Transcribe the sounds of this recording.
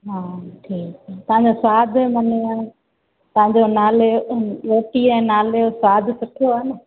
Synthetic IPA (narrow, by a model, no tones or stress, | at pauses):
ɦaːʈʰiːkːt̪ɐɦãɲd͡ʑoswaːd̪ʱmɐnoəñ | t̪ɐɦãɲ̆d͡ʑonaːleɾoːʈiɛ̃ːnaːleosaːd̪ʱsʊʈʰijoaːnə̆